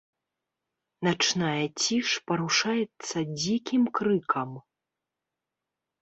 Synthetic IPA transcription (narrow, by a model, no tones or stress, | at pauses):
nat͡ʂnajɐt͡sʲiʂpɐɾuʂajɛt̪sːɐd͡zʲikʲimkɾɨkʰɐm